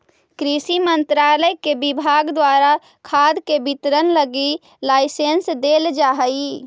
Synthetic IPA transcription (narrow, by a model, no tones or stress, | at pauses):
kɾisimənt̪ɾaːləjkebibʱaːɡd̪waːɾa | kʰaːd̪kebit̪ɾənləɡi | laːɪsensd̪eːld͡ʒaɦəi